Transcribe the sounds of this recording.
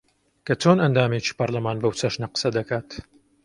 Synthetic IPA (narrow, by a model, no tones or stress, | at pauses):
kɐt͡ʃonɐnd̪aːmeːt͡ʃi̥ːpɐɾlɐmaːnbɐwt͡sʰɐʃnɐqɨ̥sɐd̪ɐkʰaːt̪